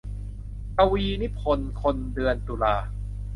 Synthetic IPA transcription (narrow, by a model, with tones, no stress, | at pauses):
ka˧wiː˧ni˦˥pʰo˧nkʰo˧ndɯ˧ənt̪uː˧laː˧